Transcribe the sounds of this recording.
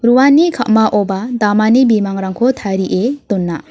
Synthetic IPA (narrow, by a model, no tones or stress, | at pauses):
ɾuwanːikʰaʔmaʔɔbadamanibimaŋɾaŋkʰɔt̪ʰaɾiʔet̪ɔnːa